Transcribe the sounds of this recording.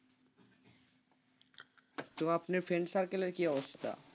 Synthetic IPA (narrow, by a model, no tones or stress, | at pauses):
t̪oapneɾfensaɾkeleɾkiɔbost̪ʰt̪ʰa̰